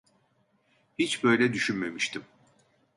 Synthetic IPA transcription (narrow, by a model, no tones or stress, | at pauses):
hit͡ʃbø̞jlʲɛd̪yʃynme̞miʃt̪ʰim